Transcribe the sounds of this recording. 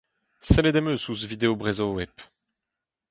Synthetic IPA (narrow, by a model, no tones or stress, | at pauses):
sɛled̪ɛmøsusvid̪eobʁɛzowɛp